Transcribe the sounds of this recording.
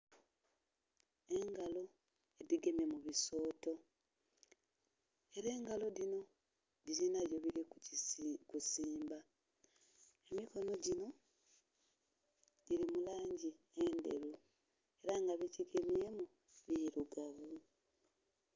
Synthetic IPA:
e̞ŋɡalo̞ | ediɡe̞mje̞muβiso̞ːto̞ | e̞ɾe̞ːŋɡalo̞dino̞ | diɾinaβjo̞βiɾi | kusiːmba | e̞miko̞no̞ɟino̞ | ɟiɾimulaːɲɟi | ende̞̰ɾu | e̞ɾaŋɡaβiciɡemje̞mu | βiiɾuɡaβu

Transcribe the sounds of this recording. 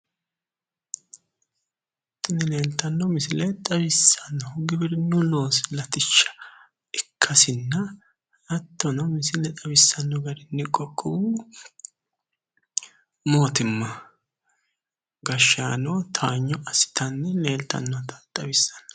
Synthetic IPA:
ɐt̪ːʊnɪne̞ːlt̪ɐnːɔmɪsɪlɛt̪ʼɐβɪsːɐnːɔɡɪbɪɾɪnʊno̞ːsɪlɐt̪ɪt͡ʃːɐ̥ | ɪkʰːɐsɪnːɐ | ɐt̪ːɔnɐmɪsɪlɛt̪ʼɐbɪsːɐnːɔɡɐɾɪnːɪkʼɔkʼːɔwu | moːt̪ɪmːɐ | ɡɐʃːaːnɔt̪ʰaːɲːɔɐsɪ̥t̪ɐnːɛne̞ːlt̪ːɐ̰nːɔt̪ʰɐ̥t̪ʼɐbɪsːɐ̥nɔ̥

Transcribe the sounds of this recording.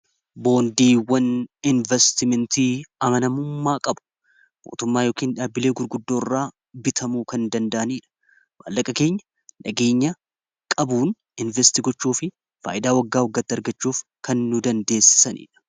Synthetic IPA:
bo̞ːnd̪iːwɐnɪnvɛst̪ɪmɛnt̪iːɐmɐnɐmʊmːaːkʼɐbʊ̥ | mo̰ːt̪ʊmːaːjo̞ːkiːnᶑaːbːɪle̞ːɡʊɾɡʊd̪ːoːrːaː | bɪt̪ʰɐmuːkɐnd̪ɐnd̪ɐʔɐniːᶑɐ̥ | wa̰ːlːɐkʼɐke̞ːɲːɐ̥ | nɐɡe̞ːɲːɐ | kʼɐbuːn | ɪnvɛst̪ɪɡɔt͡ʃːuːfɪ | fa̰ːʔɪd̪aːwɐɡːaːwɐɡːɐt̪ːɪɐɾɡɐt͡ʃːuːfkɐnːʊd̪ɐnd̪e̞ːsɪ̥sɐnḭːᶑɐ̥

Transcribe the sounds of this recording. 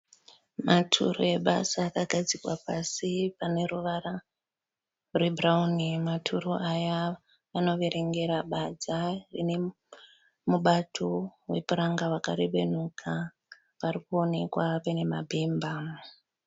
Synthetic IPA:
matʰṵroe̞ɓa̰saːkaɡʱad͡zikwapasipane̞ruʋara | rwe̞braunimatʰuroʔaja | ʋano̞ʋe̞ɾe̞ŋɡe̞ɾaɓad͡zarine̞ | muɓatʰo̞we̞puɾaŋɡawaka̰ɾeɓe̞̰n̤ukʰa | ʋarikuo̞ne̞kwapene̞mabʱeːmba

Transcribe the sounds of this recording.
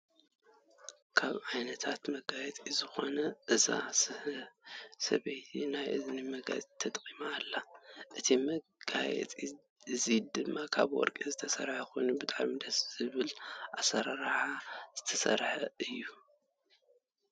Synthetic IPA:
kʰaβʕajnɐt̪ʰat̪mɐɡajɛt͡s̪ʼizɨxo̞nɐʔɨza̰s | sɐ̰βejt̪ʰinajʔɨznɨmɐɡa̰zit̪ʰɐt̪ʼkʼimaːlːaʔɨt̪ʰimɐɡ̥ajɛ̰t͡sʼi | ɨzid̪ɨmːakʰa̰βwɔ̰ɾkʼizɨt̪ʰɐsɐɾħaxo̞jnubɨt̪ʼaʕmid̪ɐsz̥ɨβɨlʔasɐɾaɾħaz̥ɨt̪ʰɐsɐ̰ɾħaɨjːu

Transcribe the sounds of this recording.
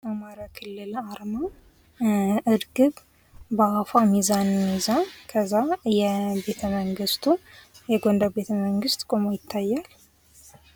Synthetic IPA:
ʔamaɾjakʰɨlːɨlaɾma | ʔɨɾɡɨb | bəafamizanmizakʰəzːajɛbe̞t̪ʰəməŋɡɨst̪ʰujɛɡond̪əbe̞t̪ʰəməŋɡɨst̪kʼomojɪt̪ʰːajːal

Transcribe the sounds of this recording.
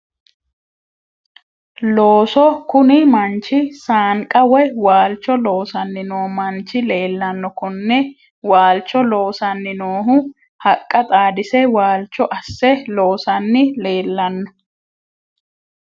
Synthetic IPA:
lo̞ːsɔkʊnɪmɐnt͡ʃːɪsaːŋkʼɐwɛwaːlt͡ʃːɔlo̞ːsɐnːɪnoːmɐnt͡ʃːɪle̞ːlːɐnːɔkɔnːɛ | waːlt͡ʃːɔlo̞ːsɐnːɪnoːɦʊ | hɐkʼːɐt̪ʼaːd̪ɪsɛwaːlt͡ʃːɔʔɐsːɛlo̞ːsɐnːɪle̞ːlːɐnːɔ

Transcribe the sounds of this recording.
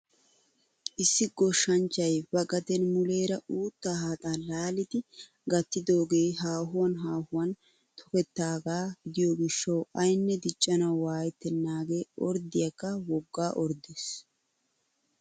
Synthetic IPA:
ʔɪsːɪɡɔʃːɐnt͡ʃːɐjbɐɡʼɐt̪ɛnmʊle̞ːɾɐuːt̪ːaːhaːt̪ʼaːlaːlɪd̪ɪ | ɡɐt̪ːɪd̪o̞ːɡe̞ːɦaːɦʊwɐnɦaːhʊwɐn | t̪ʰɔ̥kɛt̪ːaːɡaːɡɪd̪ɪjoɡɪʃːɐwɐjnːɛd̪ɪt͡ʃʼːɐnɐwwaːjɛt̪ːɛnːaːɡe̞ːɔɾd̪ɪjɐkːɐwɔɡːaːʔɔɾd̪es

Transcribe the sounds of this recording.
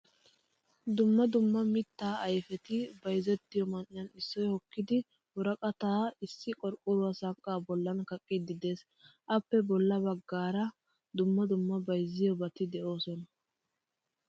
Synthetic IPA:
d̪ʊmːɐd̪ʊmːɐmɪt̪ːaːɐjfɛt̪ɪbɐjzɛt̪ːɪjɔmɐnːɪjɐnɪsːɔjhɔkːɪd̪ɪ | wʊɾɐkʼɐt̪aːɪsːɪkʼɔɾkʼːʊɾʊwasɐŋkʼːaːbɔlːɐnkɐkʼːɪd̪ɪd̪e̞ːs | ʔɐpːɛbɔlːɐbɐɡːaːɾɐ | d̪ʊmːɐd̪ʊmːɐbɐjzːɪjɔbɐt̪ɪd̪ɛʔo̞ːsɔnɐ

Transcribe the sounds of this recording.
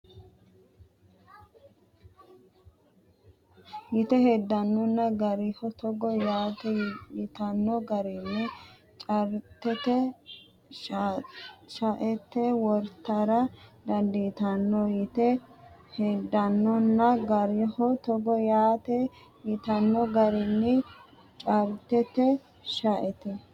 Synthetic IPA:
jɪt̪ɛhɛd̪ːɐnːɔnːɐɡɐɾɪhɔt̪ɔɡɔjaːt̪ɛjɪt̪ɐnːɔɡɐɾinːɛ | t͡ʃʼɐɾt̪ːɛt̪ɛ | ʃɐʔɛt̪ːɛwɔɾt̪ːɐɾɐd̪ɐnd̪it̪ɐnːɔjɪt̪ɛhɛd̪ːɐnːɔnːɐɡɐɾɪhɔt̪ɔɡɔjaːt̪ɛ | jɪt̪ɐnːɔɡɐɾɪnːɪ | t͡ʃʼɐɾt̪ɛt̪ɛ | ʃɐʔɛt̪ɛ

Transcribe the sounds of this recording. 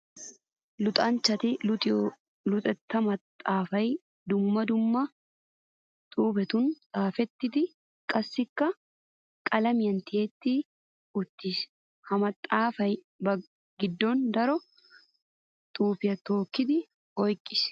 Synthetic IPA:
lʊt̪ʼɐnt͡ʃːɐt̪ɪt̪ | lʊt̪ʼɛt̪ːɐmɐt̪ʼːaːfɐj | d̪ʊmːɐd̪ʊmːɐ | t̪ʼuːbɛt̪ʊnt̪ʼaːfɛt̪ːɪt̪ɪ | kʼɐsːɪkːɐ | kʼɐlɐmɪjɐnt̪ɪeːt̪ːiː | ʊt̪ːis | hɐmɐt̪ʼːaːfɐj | bɐ | ɡɪd̪ːɔnd̪ɐɾɔ | t̪ʼuːpɪjɐt̪oːkːɪd̪ɪ | ɔjkʼːɪ̥s

